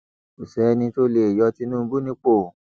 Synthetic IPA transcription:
o˨sɛ˨˦nĩ˧to˦le˧˨e˨jɔ˧ti˧˦nũː˦˧˦bu˦nĩ˦k͡po˦˨

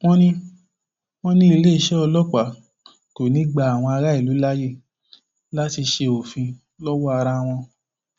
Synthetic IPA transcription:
w̃ɔ̃˦nĩ˦ | w̃ɔ̃˦nĩ˦i˧le˦i˧ʃɛ˦ɔ˧lɔ˦k͡pa˨˦˨ | to˨nĩ˨˦ɡ͡ba˦a˨w̃ɔ̃˧a˧ɾa˦i˦˨lu˨˦la˦je˦˨ | la˦ti˧ʃe˧o˨fĩ˧ | lɔ˦wɔ˦a˧ɾa˧w̃ɔ̃˧

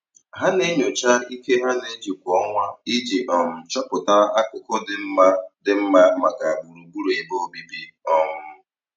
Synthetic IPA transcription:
ɦa˦ne˦ɲo˨t͡ʃa˦i˦ke˦ɦa˦ne˦d͡ʒi˨kʷɔ˨˦ŋʷa˦i˦d͡ʒi˨ʔɔ˨m̩˨t͡ʃɔ˦pʊ˨ta˦a˦kʊ˨kʊ˦dɪ˦m̩˦ma˦dɪ˦m̩˦ma˦ma˨ka˨a˨ɡ͡bu˨ɾu˨ɡ͡bu˦ɾe˨i˨bo˦bi˦bi˦ɔ˦m̩˦

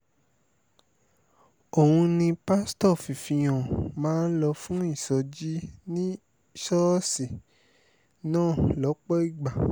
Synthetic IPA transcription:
o˨hũ˧nĩ˧pa˦stɔ˦˨fi˨fĩ˧j̃ɔ̃˨mãː˨˦n̩˦lɔ˧fũ˦i˦˨sɔ˨˦d͡ʒi˦nĩ˦ | ʃɔ˦si˨ | nãː˦˨lɔ˨˦k͡pɔ˦i˦˨ɡ͡ba˨

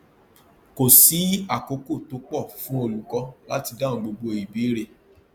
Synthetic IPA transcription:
ko˨si˨˦a˨ko˧˦ko˦˨to˨˦k͡pɔ˦˨fũ˦o˧lu˨˦kɔ˧la˦ti˧da˦˨n̩˦ɡ͡bo˧ɡ͡bo˧i˨bi˨˦ɾe˦˨

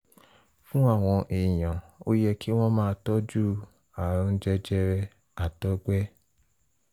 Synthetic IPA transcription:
fũ˦a˦˨w̃ɔ̃˧ʔe˨jã˨o˦jɛ˧ki˦w̃ɔ̃˦mãː˦˧tɔ˦d͡ʒu˦˨ | a˨˧n̩˦d͡ʒɛ˧d͡ʒɛ˧ɾɛ˧ | a˨tɔ˦ɡ͡bɛ˦

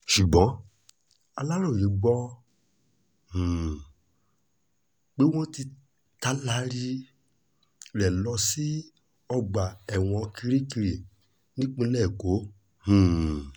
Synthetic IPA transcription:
ʃu˨ɡ͡bɔ̃˨˦ | a˧la˦lo˦˨ɾĩ˨˦ɡ͡bɔ˦ | h̩˨ | k͡pe˦w̃ɔ̃˦ti˧ | ta˦la˦ɾi˦ | ɾɛ˨lɔ˧si˦ | ɔ˧ɡ͡ba˨ɛ˨w̃ɔ̃˧ki˧ɾi˦ki˧ɾe˨ | nĩ˦k͡pĩ˧lɛ˦˨ko˨˦ | hũ˨

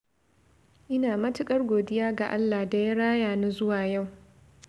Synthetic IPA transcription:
ʔɪ˦naː˨mɐ˦tɪ˦kʼɐ˦rɡʷoː˨dɪ˦jaː˦ɡa̰˨ʔa˦lːa˨da˦ja˦ɽaː˦jaː˨na˦zʊ˦waː˨ja˦˨w

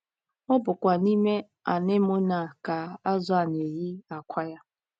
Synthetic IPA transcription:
ɔ˦bʊ˨kʷa˨ni˦me˦ | a˨ne˦mo˦na˨ka˨a˦za˨n˨e˨ji˦a˨kʷʰa˦ja˦

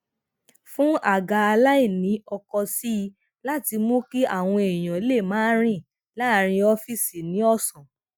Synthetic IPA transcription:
fũ˦a˨ɡa˧a˧la˦i˦˨nĩ˨˦ɔ˧kɔ˧si˦˧ | la˦ti˧mõ˦ki˦a˦˨w̃ɔ̃˧e˨j̃ã˨e˨˦le˦˨mãː˨˦ɾ̃ĩ˦˨ | la˦˧ɾ̃ĩ˧ɔ˧fi˦˨si˨nĩ˨˦ɔ˦˨sɔ̃˨

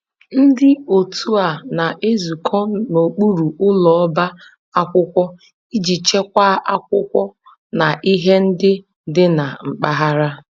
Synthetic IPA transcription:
n̩˦dɪ˦o˨tu˦a˨na˨ʔe˦zu˨kʰɔ˦no˨k͡pu˦ɾu˨ʔʊ˦lɔ˨ɔ˦ba˦ | a˦kʷʊ˦kʷɔ˦ | i˦d͡ʒi˨t͡ʃe˦kʷa˦ʔa˦k̚ʷʊ˦kʷɔ˦ | na˨ʔi˦ɦe˦n̩˦dɪ˦ | dɪ˦na˨ŋ͡m̩˨k͡pa˦ɦa˦ɾa˦

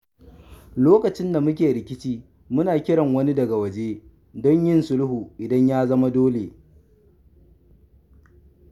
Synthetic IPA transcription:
loː˦kɐ˨t͡ʃɪ˦nda˨mʊ˦k̬ʲeː˨ɽɪ˨kʲɪ˦t͡ʃiː˦ | mʊ˦naː˨kʲɪ˦ɽɐ˨ŋwɐ˦ni˦dɐ˨ɡa˨wɐ˨d͡ʒeː˦ | dɔ˦ɲjɪ˦nsʊ˦lʊ˦huː˨ʔɪ˨dɐ˦ɲjaː˦zɐ˦ma˦doː˦leː˨

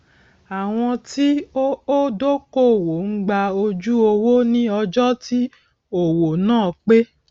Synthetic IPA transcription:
a˨w̃ɔ̃˧ti˦o˦do˦ko˦˨wo˨ŋ̩˦ɡ͡ba˧o˧d͡ʒu˦o˧wo˦nĩ˦ɔ˧d͡ʒɔ˦ti˦ | o˨wo˨nãː˦˨k͡pe˦

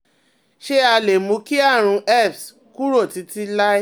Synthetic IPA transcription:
ʃe˦a˧le˨mũ˨˧˦ki˦a˦˨ɾ̃ũ˧ʔɛ˦˨fs | kũ˦ɾo˦˨ti˨˦ti˦la˦

